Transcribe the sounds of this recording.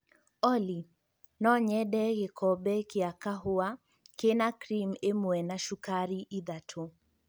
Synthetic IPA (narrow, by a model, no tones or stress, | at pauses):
ɔli | nɔɲɛdɛɣekʰɔbɛkɪakaɦʊa | kenakɾimemwɛnaʃukaɾiʔiðatʰo